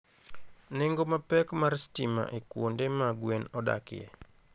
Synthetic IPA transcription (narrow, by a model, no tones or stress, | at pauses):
nɪŋɡomapɛkmarstima̰ʔekwondemaɡwenɔda̰kɪ̰ɛ̰